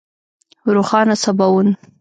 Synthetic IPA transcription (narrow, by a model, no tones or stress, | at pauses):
ɾuxɑnasabawun